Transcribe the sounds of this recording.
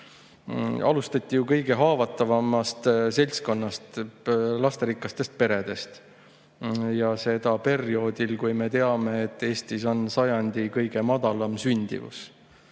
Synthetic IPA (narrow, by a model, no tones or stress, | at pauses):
ɑ̰lust̪ɑt̪ʲˑːijukɤjɡ̥e̞ɦɑːvɑt̪ːˑɑvɑmːɑst̪se̞lʲsko̞nːɑst̪lɑst̪eɾikːˑɑst̪e̞st̪̚pe̞ɾe̞d̪̥e̞st̪ | jɑse̞d̪̥ɑpe̞rio̞ːd̪̥ilkujme̞t̪e̞ɑme̞ːt̪ːˑe̞ːst̪iso̞nsɑjɑnʲd̪̥ikɤjɡ̥e̞mɑd̪̥ɑlɑmsynʲd̪̥ḭvṵs